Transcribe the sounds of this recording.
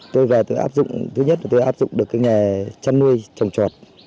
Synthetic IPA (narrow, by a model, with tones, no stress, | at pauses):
t̪o˧jvaː˨˩t̪o˧jʔaː˦˥p̚zʊ̰˧˨ŋ͡mt̪ʰɨ˨˧˦ɲə˦˥t̚laː˨˩t̪o˧jʔaː˦˥p̚zʊ̰˧˨ŋ͡mɗɨ˨˩kːaː˨˦jŋa˨˩t͡ɕa˧nːu˧əjt͡ɕɔ˨˩wŋ͡mt͡ɕɔ˨˩t̚